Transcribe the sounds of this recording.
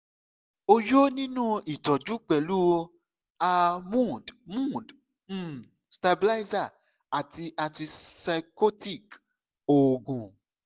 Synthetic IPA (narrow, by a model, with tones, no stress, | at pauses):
o˧jo˦nĩ˦nũ˦i˨tɔ˨d͡ʒu˨˦k͡pɛ˨lu˦o˧ | a˧mũ˦˨dmũ˦˨d̩˦˨ | sta˧bi˧la˦za˦˨ | a˨ti˧ʔa˧ti˧sa˧ko˦ti˦˨k | o˨ɡũ˨